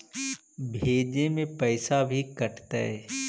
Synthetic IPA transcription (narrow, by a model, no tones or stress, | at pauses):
bʱeːd͡ʒemẽpɐːɪsabʱikɐʈt̪aɦɛː